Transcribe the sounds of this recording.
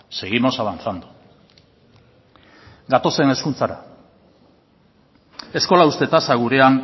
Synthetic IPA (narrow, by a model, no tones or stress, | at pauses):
se̞ɣimo̞saβant͡sand̪u | ɡat̪o̞se̞ne̞skunt͡saɾa̰ | e̞sko̞laust̪e̞t̪asaɣuɾe̞aŋ